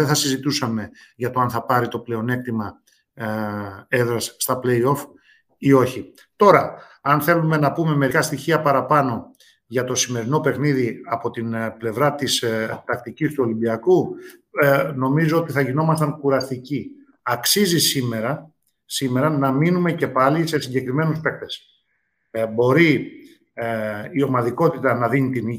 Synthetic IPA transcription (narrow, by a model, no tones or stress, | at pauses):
eθɐsizit̪usɐme̞ʝɐt̪o̞ɐnθɐpɐɾit̪o̞ple̞o̞ne̞k̚t̪imɐ | eðɾɐsːt̪ɐple̞jo̞f | io̞çi | t̪o̞ɾɐ | ɐnθe̞lume̞nɐpume̞me̞ɾikɐst̪içiɐpɐɾɐpɐno̞ | ʝɐt̪o̞sime̞ɾino̞pe̞xniðiɐpo̞t̪inple̞vɾɐt̪ist̪ɐk̚t̪icist̪uo̞limbiɐku | no̞mizo̞ot̪iθɐʝino̞mɐst̪ɐŋkuɾɐst̪ici | ɐksizisime̞ɾɐ | sime̞ɾɐnɐminume̞ce̞pɐlise̞siɲɟe̞kɾimenuspe̞k̚t̪e̞s | bo̞ɾi | o̞mɐðiko̞t̪it̪ɐnɐðinit̪ini